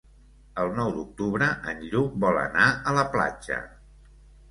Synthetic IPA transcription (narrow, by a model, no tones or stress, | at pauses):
əlˠnɔwd̪uk̚t̪uβɾəʔənʎukbɔlə̰naələpla̰d͡ʒə̰